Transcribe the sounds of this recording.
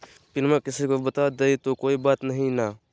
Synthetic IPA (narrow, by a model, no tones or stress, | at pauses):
pɪnmɛ̃kɪsikobət̪aːd̪eit̪okoːibaːt̪nəɦĩnaː